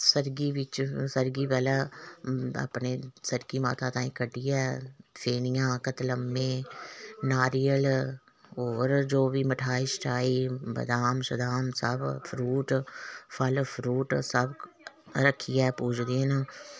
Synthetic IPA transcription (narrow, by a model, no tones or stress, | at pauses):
səɾɡiːʋɪt͡ʃsəɾɡiːpɛːlaː | a̰ːpneːsəɾɡiːma̰ːt̪ãːt̪ãːĩːkəɖiːɛːpʰeːnɪjãːkət̪ləmːẽː | naːɾijəl | oːɾd͡ʒoːʋiːməʈʰaːisʈʰaːiːbə̰d̪aːmsəd̪aːmsə̰bpʰɾuːʈpʰəlpʰɾuːʈsəb | ɾəkʰːijɛːpuːd͡ʒd̪enaː